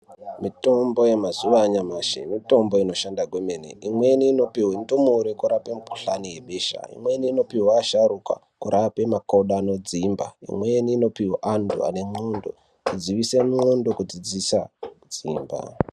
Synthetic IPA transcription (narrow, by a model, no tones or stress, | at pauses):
mito̞mbo̞jemazuʋaːɲamaʃḛmito̞mbo̞ino̞ʃandaɡwemenḛimwe̞niːno̞piwindomoɾekuɾapemuku̥ɬanije̞ɓeːʃa̰ḭmwe̞nino̞piwaːʃaruka̰ | kuɾʔape̞makauɗaːno̞d͡zimba̰ḭmweniːno̞piwaʔandṵa̰ne̞mondo̞̰ | id͡ziʋisemondo̞kud͡zid͡zisad͡ziːmba̰